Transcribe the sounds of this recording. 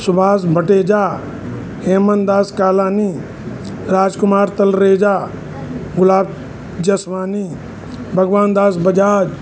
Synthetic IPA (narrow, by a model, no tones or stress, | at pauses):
sʊbʱaːs̬bʱəʈeːd͡ʒaː | heːmənd̪aːskaːlaːniː | ɾaːd͡ʒkʊmaːɾt̪ɐlɾeːd͡ʒaː | ɡʊlaːb̚ | d͡ʒɐsʋaːniː | bʱɐɡʋaːnd̪aːsbɐd͡ʒaːd͡ʒ